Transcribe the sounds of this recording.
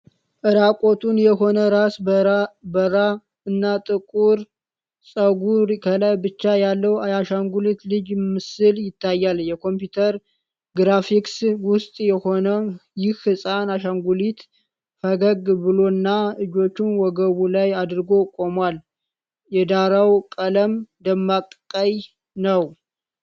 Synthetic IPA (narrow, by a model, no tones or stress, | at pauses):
ʔɨɾakʼo̞t̪ʰunjɛɦo̞nəɾas | bəɾa | ɨnːat̪ʼɨkʼuɾ | sʼəɡuɾkʰəlajbɨt͡ʃːajalːəwajaʃaŋɡulit̪lɨd͡ʒɪmːɨsɨljɪt̪ʰːajːaljɛkʰo̞mpjut̪ʰəɾ | ɡɾafikswʊst̪ʼjɛho̞nəjɪhhɨsʼanaʃaŋɡulit̪ | fəɡəɡbɨlo̞ɨnːaɨd͡ʒo̞t͡ʃːɪnwɔɡəβulajad̪ɨɾɡo̞kʼo̞mwal | jɛd̪aɾawkʼələmd̪əmːakʼkʼəj | nəw